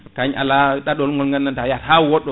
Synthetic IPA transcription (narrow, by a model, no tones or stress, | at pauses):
kaɲa̰laɗaɗɔlŋɡɔlŋɡanːantajathawɔɗɔ